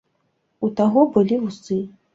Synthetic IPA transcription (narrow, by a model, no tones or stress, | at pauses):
ut̪aɣɔbɨlʲivusɨ